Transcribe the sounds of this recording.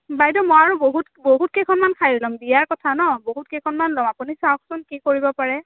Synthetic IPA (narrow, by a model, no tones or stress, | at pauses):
bajdɔmojaɹuboɦutboɦut̚kekʰɔnmankʰajilɔmbijaɹkɔtʰanɔboɦut̚kekʰɔnmanlɔmapunisawksɔnkikoɹibɔpaɹɛ